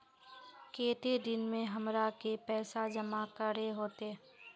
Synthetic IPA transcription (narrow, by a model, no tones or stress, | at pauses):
keːt̪ed̪ɪnmẽɦɐmɾakepɛːsad͡ʒəmakəɾeɦoːt̪e